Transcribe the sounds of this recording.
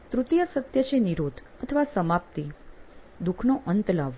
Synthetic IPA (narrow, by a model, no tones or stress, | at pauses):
t̪ɾut̪ijəsət̪jət͡ʃeniɾod̪ʱ | ət̪ʰəʋasəmap̚t̪i | d̪ukʰnoʔənt̪laʋː